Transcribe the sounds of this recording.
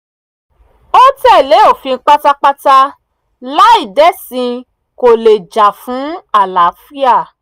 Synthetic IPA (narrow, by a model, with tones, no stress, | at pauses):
o˦tɛ˦˨le˨˦o˦˨fĩ˧n̩˧˦k͡pa˦ta˦k͡pa˦ta˦ | la˦i˦˨dɛ˦sĩ˧ | ko˨le˨d͡ʒa˨fũ˨˦a˦˨la˨˦fi˦a˦˨